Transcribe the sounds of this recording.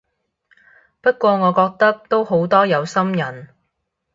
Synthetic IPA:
pɐ˥t̚kʷɔː˧ŋɔː˨˧kɔː˧k̚t̪ɐ˥k̚t̪o˥wɦo˨˥wt̪ɔː˥jɐ˨˧wsɐ˥mjɐ˨˩n

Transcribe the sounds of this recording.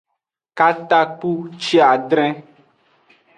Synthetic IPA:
ka˦t̪a˦k͡pu˦t͡ʃi˦a˨ɖ̪ɾɛ̃˦

